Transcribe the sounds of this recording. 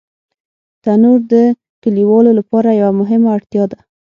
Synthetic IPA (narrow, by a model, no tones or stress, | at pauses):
t̪anuɾd̪ə | kəliwɑlolapɑɾajawamʊɦɪmaːɽt̪jɑd̪a